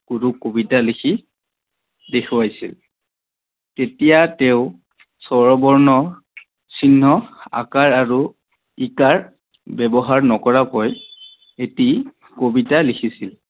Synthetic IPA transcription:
kudukobitalikʰi | dekʰuwajsḭl | tetijateʊ | sɔɹɔbɔɹnɔ | sinːɔa̰kaɹaɹu | ikaɹ | bɛbɔɦaɹnɔkɔɹakɔj | eti | kobitalikʰisil

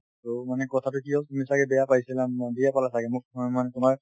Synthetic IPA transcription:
tɔmanɛkɔtʰatʊkiɔtumisaɡɛbɛjapajsilamdijapalasaɡɛmʊk̚manɛtʊmaɹ

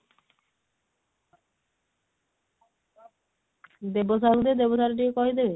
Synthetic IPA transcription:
d̪ebosʰakd̪ed̪ebosʰaɾʈiekɔɦid̪ebe

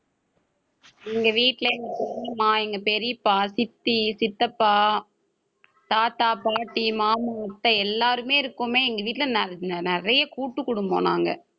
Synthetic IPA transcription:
ɪŋɡɐʋiːʈːlɐɛŋɡɐpɔɾmaːɛŋɡɐpɛɾɪpːaːsɪt̪ːisɪt̪ːɐpːaː | t̪aːt̪aːpaːʈːimaːmɐɐt̪ːɐɛlːaːɾɯmeːɪɾɯkːʊmeːɛŋɡɐʋiːʈːɪlɐnnnɛɾɐjɐkuːʈːɯkːʊɽɯmbo̰ːna̰ːŋɡɐ̰

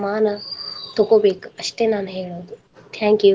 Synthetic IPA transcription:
maːnɐt̪ʰokobeːkəʃʈ̪enaːnɦeɽoːd̪u | t̪ʰɛ̃ːŋkju

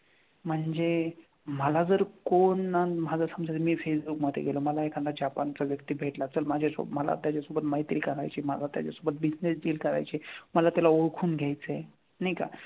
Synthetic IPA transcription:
m̤əɳd͡ze | məlad͡zəɾkonːamad͡zəsəmd͡zatmiːfesbukməd̪ʱːḛɡeloməlaekʰand̪ad͡ʑapant͡saʋjəkt̪iːbʱeʈlat͡səlmad͡ʑʱeso̰bməla̰t̪jat͡ɕasubət̪məɦit̪ḭlkəɾa̰jt͡ɕiməlat̪ja̰t͡ɕasubət̪̚bid͡ʑnesd͡ʑiːlkəɾa̰jt͡ɕiməlat̪jalaoɽkʰuːnɡʱjajt͡səe | najka̰

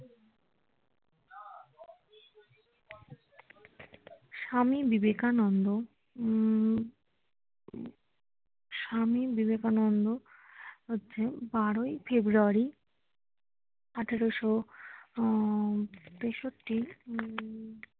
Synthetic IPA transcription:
ʃamibibekanɔnd̪o | ʃamibibekanɔnd̪oɦotːɕʰebaɾojfebɾuaɾi | aʈʰaɾoʃo | teʃoʈːi

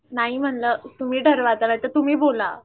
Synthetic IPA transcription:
naɦim̤əɳlət̪um̤iːɖʱəɾʋat̪ənajt̪ət̪um̤iːbola

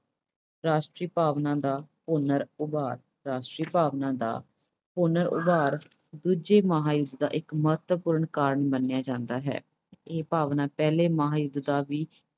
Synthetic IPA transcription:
ɾaːʃʈɾiːpaːʋnãːd̪aːpoːnəɾʊbaːɾ | ɾaːʃʈɾiːpaːʋnãːd̪a̰ː | poːnəɾʊ̰baːɾ | d̪uːd͡ʒeːməɦaːjʊd̪d̪a̰ːʔɪkməɦət̪əpʊːɾəɳkaːɾəɳbənːjaːd͡ʒãːnd̪aːɦɛ̰ː | eːpaːʋnãːpɛːleːməɦaːjʊd̪d̪aːʋiː

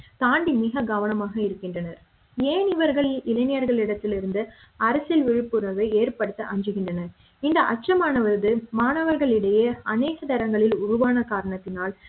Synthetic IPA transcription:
t̪aːɳɖimɪɣɐɡɐʋɐnɐmaːɣɐɪɾɯkːɪndrɐnɐɾ | eːnɪʋɐɾɣɐɭɪlɐnɪjɐɾɣɐɭɪɽɐt̪ːɪlɪɾɯnd̪ɯ | ɐɾɐsɪlʋɪɻɯpːɯɾɐʋɐeːɾpɐɽɯt̪ːɐʔɐɲd͡ʒɯɣɪndrɐnɐ | ɪnd̪ɐʔɐ̰t͡ʃːrɐmaːnɐʋɐɾðɯmaːnɐʋɐɾɣɐɭɪɽɐjɐɐneːɣɐd̪ɐɾɐŋɡɐɭɪlʊɾʊʋaːnɐkaːɾɐɳɐt̪ːɪnaːl

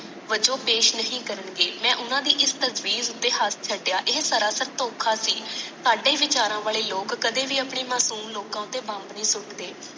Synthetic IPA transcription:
ʋəd͡ʒoːpeːʃnəɦĩːkəɾəɳɡeːmɛ̃ːʔʊnãːd̪iːʔɪst̪əzʋiːzʊt̪ːeːɦast͡ʃʰəɖjaːʔɪɦsəɾaːsəɾt̪oːkʰaːsiːsaːɖeːʋɪt͡ʃaːɾãːʋaːleːloːkːəd̪eːʋiːəpɳiːmaːsuːmloːkãːt̪eːbãːmbnĩːsʊʈd̪eː

